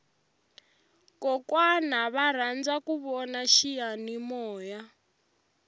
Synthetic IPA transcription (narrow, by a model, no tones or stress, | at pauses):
kɔkwanaβaɾ̤and͡zakuβɔnaʃijanimɔːja